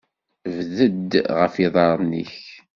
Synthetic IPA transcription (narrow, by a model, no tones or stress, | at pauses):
vðəd̪ʁəfiðˤɑɾˤnḭç